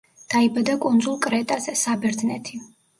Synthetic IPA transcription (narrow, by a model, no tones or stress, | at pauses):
d̪̥aibad̪akʼund̪zulˠkʼɾɛt̪ʼassabɛɾd̪nɛt̪ʰi